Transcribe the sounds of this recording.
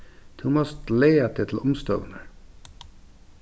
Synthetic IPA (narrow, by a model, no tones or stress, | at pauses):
d̪̥ʰuːmɔst̪leːɑt̪ʰɪt̪ʰl̩ʊmst̪o̰ːnəɾ